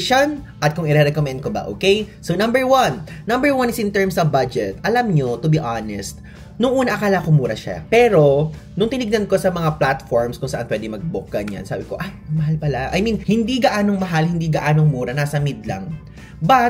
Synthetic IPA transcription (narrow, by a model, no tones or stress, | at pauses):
ʃon | ʔɐt̪̚kʊŋɪɾɛɾɛkomɛnd̪̚kobɐ̰ʔo̰ːkejsonɐ̃mbɛɹwɐnːɐmbɛɹwɐnɪsɪ̃nt̪ɛɹmsɐvbad͡ʒɛt̪ʔɐlamɲot̪ʊbiʔanɛst̪̚ | nʊŋʔuːnɐʔɐkaːlɐkʊmuːɾɐʃa̰pɛːɾo̞ | nʊŋt̪ɪnɪɡnɐnko̞sɐmɐŋaplat̪foɹmskʊŋsɐʔanpwɛd̪ɪŋmɐɡ̚bʊk̚ɡ̥ɐnja̰nsa̰ːbɪko̞ʔajmɐɦalpɐlaʔɐ̰jminhɪnd̪iɡɐʔaːno̞ŋmɐɦalhɪnd̪iɡɐʔaːnoŋmuːɾɐnaːsɐmɪd̪̚lɐ̰ŋ | bɐ